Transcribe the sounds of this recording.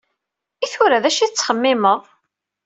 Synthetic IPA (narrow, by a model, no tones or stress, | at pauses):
iθʊɾaðæʃiθt͡sːχəmːɪməðˤ